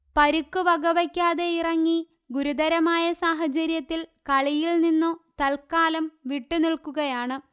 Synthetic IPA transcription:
pɐɾukːuʋɐɡɐʋɐkʲːaːðe̞irɐŋːi | ɡuɾud̪ɐɾɐmaːjɐsaːɦɐt͡ɕɐɾjɐt̪ːilkɐɭijilninːot̪ɐlkaːlɐmʋiʈːuniɭkuɣɐjaːɳɨ

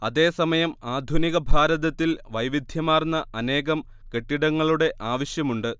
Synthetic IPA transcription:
ɐðe̞ːsɐmɐjɐmaːd̪ʱuniɣɐbʱaːɾɐðɐt̪ːilʋɐjʋid̪ʱjɐmaːrnːɐʔɐne̞ːɣɐm | ke̞ʈːiɽɐŋːɐɭuɽe̞ʔaːʋɐɕjɐmuɳɖɨ

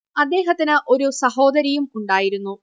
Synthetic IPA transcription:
ɐd̪ːe̞ːɦɐt̪ːinɨʔo̞ɾusɐɦo̞ːd̪ɐɾɐjumuɳɖaːjiɾunːu

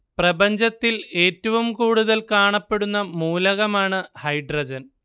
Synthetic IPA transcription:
prɐbɐɲd͡ʑɐt̪ːile̞ːtːɐʋumkuːɽuðɐlkaːɳɐpːe̞ɽunːɐmuːlɐɣɐmaːɳɨhɐjɖrɐd͡ʑɐn

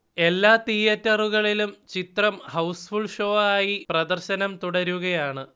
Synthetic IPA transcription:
e̞lːaːt̪ijɐtːɐruɣɐɭilumt͡ɕit̪rɐmhɐwsfuɭʂoːaːjiprɐd̪ɐrɕɐnɐmt̪uɽɐɾuɣɐjaːɳɨ

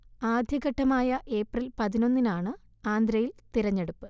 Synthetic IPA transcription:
aːd̪ʱjɐɣɐʈːɐmaːjɐʔe̞ːprilpɐðino̞nːinaːɳɨ | aːnd̪ɾɐjilt̪iɾɐɲːe̞ɽupːɨ

